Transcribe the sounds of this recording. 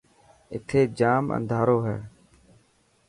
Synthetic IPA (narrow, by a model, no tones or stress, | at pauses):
ɪ̰t̪ʰeːd͡ʒaːmə̰̃nd̪ʱaːɾoːɦə̰ɽ